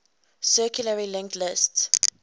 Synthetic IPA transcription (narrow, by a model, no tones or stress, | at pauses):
sɜːˑkʰjuləɹilɛ̃ŋktlɪsts